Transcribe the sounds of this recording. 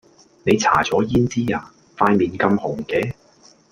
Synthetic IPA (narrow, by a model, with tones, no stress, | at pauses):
ne˨˧jt͡sʰa̰ː˨˩t͡sɔː˨˥jiː˥nt͡siː˥aː˨˧ | faː˧jmiː˨nkɐ˧mhʊ˨˩ŋkɛː˨˧˦